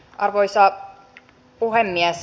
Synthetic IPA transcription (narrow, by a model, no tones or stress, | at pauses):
ʔɑrʋoisɑ | puhemːiæs